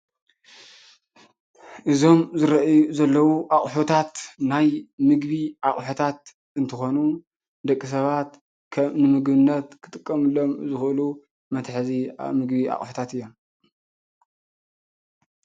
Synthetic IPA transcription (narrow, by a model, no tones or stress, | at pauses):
ʔɨzo̞mzɨɾɐʔjuzɐlːɐwuʔaχʼħot̪ʰat̪najmɨɡbiʔaχʼħut̪ʰat̪̚ | ɨnt̪ʰɨxo̞nu | d̪ɐkʼːis̬ɐβat̪ | kʰɐnɨmɨɡbɨnːɐt̪kʰɨt̪ʼɨkʼːɐmɨlːo̞mzɨxʔɨlu | mɐt̪ʰħɨzia̰mɨɡbia̰χʼħu̥t̪ʰat̪ɨjːo̞m